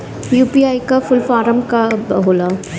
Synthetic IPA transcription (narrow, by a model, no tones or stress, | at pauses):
juːpiaːikafʊlfaːɾəmkabɐ̰ɦoːla